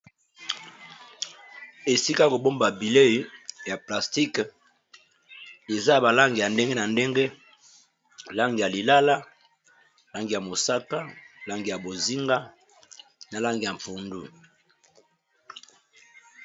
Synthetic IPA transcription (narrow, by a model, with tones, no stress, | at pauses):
e˨si˦ka˦ko˨bo˦mba˨bi˨le˦ja˨pla˨sti˦k | e˨za˦˨ba˨la˦ŋɡi˨ja˨nde˦ŋɡe˦na˨nde˦ŋɡe˦ | la˦ŋɡi˨ja˨li˨la˦la˦ | la˦ŋɡi˨ja˨mo˨sa˦ka˦la˦ŋɡi˨ja˨bo˨zi˦ŋɡa˦ | na˨la˦ŋɡi˨ja˨ɱfu˨ndṵ˦